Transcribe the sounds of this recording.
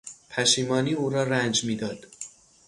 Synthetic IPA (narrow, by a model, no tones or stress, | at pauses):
pʰæʃiːmɒːniːuːɾɒːɾænd͡ʒmiːd̪ɒːd̪̥